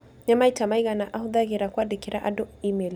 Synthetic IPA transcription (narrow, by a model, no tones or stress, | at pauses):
ɲamaitamaiɣanaʔahuðaɣiɾakwadikiɾaʔadɔimɛl